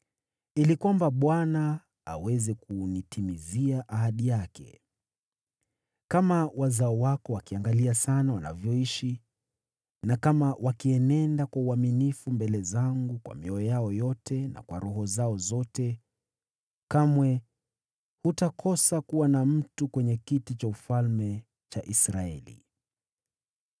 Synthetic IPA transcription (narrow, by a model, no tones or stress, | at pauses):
ilikwambaɓwana | a̰wɛzɛkunitʰimiziaʔaɦaɗijakʰɛ̰ | kamawazaɔwakɔwakiaŋɡaliasanawana̰vjɔiʃi | nakamawʔakiɛnɛndakwauaminifumbɛlɛzaŋɡukwa̰miɔɔjaɔjɔtʰɛna̰kwa̰ɾuɦɔzaɔzɔtɛ | kamwɛ | hutakʰɔsakuwanam̩tukwɛɲɛkitit͡ʃaufalmɛ | t͡ʃaʔisɾaɛ̰lḭ